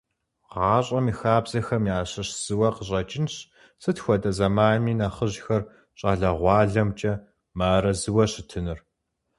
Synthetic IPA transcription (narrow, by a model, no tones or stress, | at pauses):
ʁɑːɕʼɐmixaːbzɐxɐmjaːɕɐɕz̥ɨwɐqəɕ̬ʼɐt͡ʃʼɪnɕ | sɨtxʷɔdʼɐzɐmaːmiːnɐχəʑxɐr | ɕʼaːɮɐʁʷɑːɮɐmt͡ʃʼɐ | maːɾɐzɨwɐɕɪtʰɨnɨr